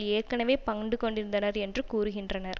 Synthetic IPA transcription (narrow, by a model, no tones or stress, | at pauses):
eːɾkːɐnɐʋeːpɐŋɖɯkɔɳɖɪɾɯnd̪ɐnɐɾɛndrɯkuːɾɯɣɪndrɐnɐɾ